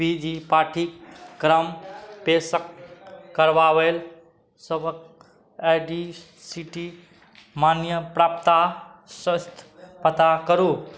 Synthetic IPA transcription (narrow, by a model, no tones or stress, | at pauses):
bid͡ʒipaʈʰikːɾəmpesəkː | əɾʋaʋel | səbək | eɖi | siʈi | manjəpɾapt̪asəst̪ʰpət̪akəɾu